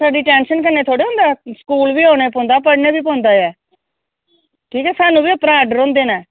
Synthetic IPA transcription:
saːɖiːʈɛːnʃənk̬ənːeːt̪ʰoːɽeːõːnd̪aːskuːlbiːoːneːpõːnd̪aːpəɽneːbiːpɔ̃ːnd̪aːɛː | ʈʰiːkɛːsaːnũːbiːəpɾaːɖəɾõːnd̪eːnaː

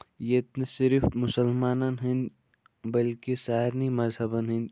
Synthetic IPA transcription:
jet̪nsɪɾfmʊsəlmaːnanɦə̃nd͡ʒ | bɐlkesaːɦɪɾnimɐzɦɐbɐnɦə̃nd͡ʒ

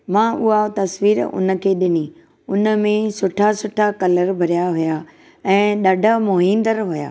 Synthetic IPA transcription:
mãːʔʊɦat̪ɐsʋiːɾʊ̰nə̆kʰeːɗɪni | ʊnə̆mẽsʊʈʰasʊʈʰakɐləɾbʱɐɾijaɦʊja | ɛ̃ːɗɐɖʱamoɦĩːnd̪əɾɦʊja̰ː

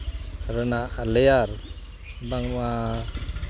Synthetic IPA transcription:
ɾənaʔlɛjaɾ | baŋma

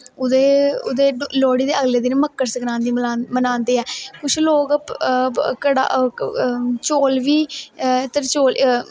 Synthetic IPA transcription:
ʊd̪eʊd̪eːloːɽiːd̪eːəɡleːd̪ɪnməkːəɾsəknãːnd̪iːmənãːnd̪eːɛːkʊt͡ʃʰloːɡ | kəɽa̰ː | t͡ʃoːlʋiːt̪əɾt͡ʃoːl

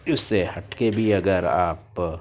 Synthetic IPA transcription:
ʊsːehɐʈkebʱiɐɡəɾa̰ːp

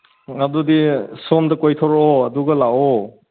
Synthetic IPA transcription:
adudisɔmdɐkojtʰɔɾɔɐduɡɐlaɔ

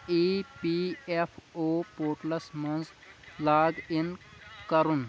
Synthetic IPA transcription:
ipiepʰopoːʈlɐsmɐnz | laːɡinkɐɾun

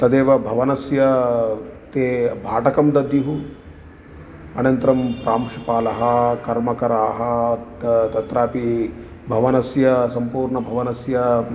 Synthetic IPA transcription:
t̪ɐd̪eːʋɐbʱɐʋɐnɐsjɐ | t̪eːbʱaːʈɐkɐmd̪ɐd̪juɦu | ɐnɐnt̪ɾɐmpɾaːmʂi̥paːlɐɦɐkɐɾmɐkɐɾaːɦɐ̆ | t̪ɐt̪ɾaːpi | bʱɐʋɐnɐsjɐsɐmpuːɾɳɐbʱɐʋɐnɐsjɐ

